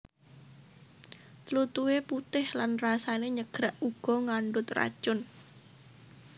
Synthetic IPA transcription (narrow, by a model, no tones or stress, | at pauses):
t̪lut̪uweput̪ɪhlanrasaneɲəɡ̥ɾaʔuɡ̥ɔ̤ŋaɳɖʊt̪ra̰d̥ʒ̥ʊn